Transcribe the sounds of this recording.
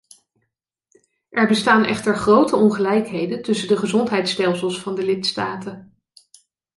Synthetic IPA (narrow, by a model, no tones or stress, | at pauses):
ʔɛɹbəstaːnʔɛ̰χtəɹχrowtəɔnχəlɛjkɦejdəntɵsədəχəzɔntɦɛjtstɛlˠsəlˠsfɑndəlɪtstaːtən